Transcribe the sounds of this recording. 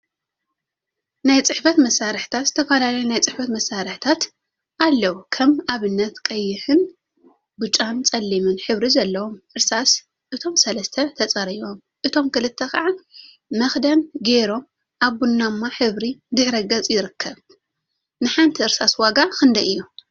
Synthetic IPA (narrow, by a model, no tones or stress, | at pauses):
najt͡sʼɨħfɐt̪mɐsːaɾɨħt̪ʰat̪z̥ɨt̪ʰɐfɐlalɐjunajt͡sʼɨħfɐt̪mɐsːaɾɨħt̪ʰat̪ | ʔalːɐwukʰɐmaβɨnːɐt̪kʼɐjːɪħɨn | bɨt͡ʃʼːant͡sʼɐlːimɨnħɨβɾizɐlːɐwo̞mʔɨɾsas | ʔɨt̪ʰo̞msɐlɐst̪ʰɐt̪ʰɐt͡sʼɐɾiβo̞m | ʔɨt̪ʰo̞mkɨlɨt̪ʰːɐxaʕa | mɐxd̪ɐnɡeɾo̞m | ʔaβbunːamːaħɨβɾid̪ɨħɾɐɡɐt͡sʼjɪɾɨkʰːɐβ | nɨħant̪ʰiɨɾsaswaɡakɨnd̪ɐʔɨjːu